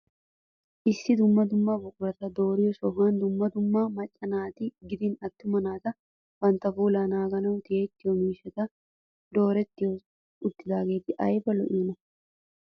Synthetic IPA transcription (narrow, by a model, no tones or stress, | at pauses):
ʔɪsːɪd̪ʊmːɐd̪ʊmːabʊkʊɾɐt̪ɐd̪o̞ːɾɪjɔsɔɦɐnd̪ʊmːɐd̪ʊmːamɐt͡ʃʼːɐnaːt̪ɪɡɪd̪ɪnɐt̪ːʊmɐnaːt̪ɐ | bɐnt̪ːɐfuːlaːnaːɡɐnɐwt̪ɪeːt̪ːɪjɔmiːʃːɛt̪ɐ | d̪o̞ːɾɛt̪ːɪjɔ | ʊd̪ːɪd̪aːɡe̞ːt̪ɪʔɐjbɐlɔ̰ʔiːnɐ